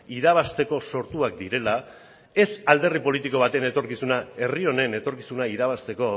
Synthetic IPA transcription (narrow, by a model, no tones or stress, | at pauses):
iðaβast̪e̞ko̞so̞ɾt̪uak̚d̪iɾe̞la | e̞sald̪e̞ripo̞lit̪iko̞β̞at̪ene̞t̪o̞ɾkisunae̞rio̞ne̞ne̞t̪o̞ɾkisunaiðaβ̞ast̪e̞ko̞